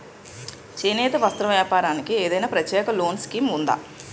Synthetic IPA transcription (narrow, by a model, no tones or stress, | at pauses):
t͡ʃeːnɛːt̪ɐʋɐst̪ɾɐmʋjaːpaːɾaːnikieːd̪ɐjnaːpɾɐt̪jɛːkɐlo̞ːnskiːmund̪a̰ː